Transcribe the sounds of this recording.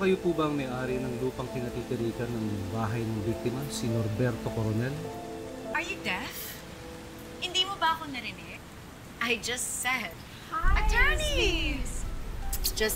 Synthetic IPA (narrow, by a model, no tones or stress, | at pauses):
kɐjopuːbɐɐŋmɐjʔaːɾinɐŋluːpɐŋpɪnɐt̪iːk̪ɪɾiːkɐnːɐŋbaːɦɐjnɐŋbik̚t̪ɪmɐsɪnoɾbɛɾt̪o̞koɾonɛl | ʔɐɹjud̪ɛθ | hɪnd̪iːmobɐʔɐkonɐɾɪmɛk̚ | ʔɐjd͡ʒɐst̪sɛd̪̚ | ʔɐt̪ʰɛ˞nis | d͡ʒɐs